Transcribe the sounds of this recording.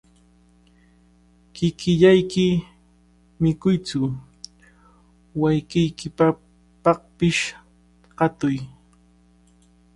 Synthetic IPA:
kɪkɪʎajkɪ | mɪkʊjt͡sʊ | wajkɪjkɪpa | pɑχpɪʃ | ɢɑt̪ʊj

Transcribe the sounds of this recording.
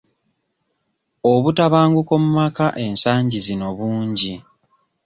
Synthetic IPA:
o̞βutaβaːŋɡuko̞mumakaʔe̞nsaːɲɟizino̞βuːɲɟi

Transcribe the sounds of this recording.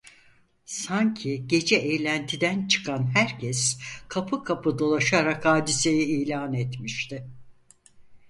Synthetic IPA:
saɲcʰiɟe̞d͡ʒɛʔejlʲænt̪ʰid̪ænt͡ʃʰɯ̥kʰanɦæɾcʰɛskʰapʰɯkʰapʰɯd̪o̞lˠaʃaɾakhaːd̪ise̞jɛiːlʲaːnet̪miʃt̪ʰɪ

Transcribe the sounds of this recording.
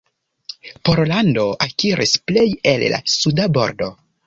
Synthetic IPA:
po̞ɾlando̞akiɾʔisple̞je̞lla̰sudabo̞ɾdo̞

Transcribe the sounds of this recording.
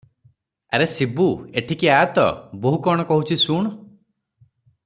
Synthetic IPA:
ḛɾesibueʈʰikiaat̪ɔ̰boɦukɔɽ̃ɔkɔɦut͡ʃʰisuɳ̃

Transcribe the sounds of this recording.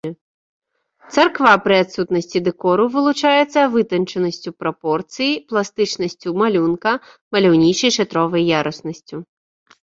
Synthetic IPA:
t̪sɐrkvapɾɨat̪sut̪nɐsʲt͡sʲid̪ɛkɔɾuvɨlˠut͡ʂajɛt̪sːɐvɨt̪ɐnt͡ʂɛnɐsʲt͡sʲupɾɐpɔrt̪sɨjiplˠast̪ɨt͡ʂnɐsʲt͡sʲumalʲunkɐ | mɐlʲawnʲit͡ʂɐjʂɛt̪ɾɔvɐjːaɾɐsnɐsʲt͡sʲu

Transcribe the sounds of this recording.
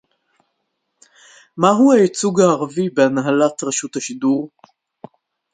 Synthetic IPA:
maɦuajit͡suɡhaːʁavibeanɦalatʁeʃuthaʃiduʁ

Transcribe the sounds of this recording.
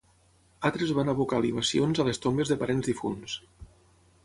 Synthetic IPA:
at̪ɾezβanəβukaliβ̞asionzalest̪ombezðəpaɾenzðifṵns

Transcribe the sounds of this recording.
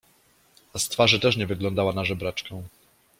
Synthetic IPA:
ast̪faʐɘt̪ɛʂɲɛvɘɡlɔnd̪awanaʐɛbɾat͡ʂkɛ̃w̃

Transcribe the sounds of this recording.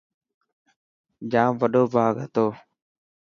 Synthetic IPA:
d͡ʒãːmʋəɗoːbʱaːɡət̪oː

